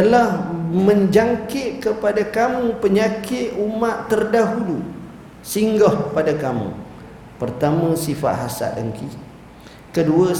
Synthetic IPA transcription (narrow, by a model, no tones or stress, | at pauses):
t̪əlahməɲd͡ʒaŋkɪʔkəpadakamũpəɲakɪʔ̪umaʔ̪ərdaɦulu | siŋɡɔhpadakamṵ̃ | pərt̪amə̃sifa̰ʔ̪ɦasa̰dəŋki | kədua